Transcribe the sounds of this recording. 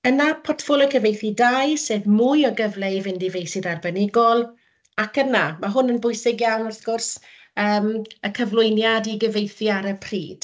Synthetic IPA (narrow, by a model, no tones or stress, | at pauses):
ənapʰɔtfɔlˠɪkʰəvejθidajseːvmʊjɔɡəvlɛvɪndivejsiðarbənɪɡɔlˠ | akənamaɦʊnənbʊɨsɪɡjawnɔrθɡ̥ʊrs | əːməkʰəvlˠʊɨnjadiɡəvejθiaɾəpʰrḭːd̥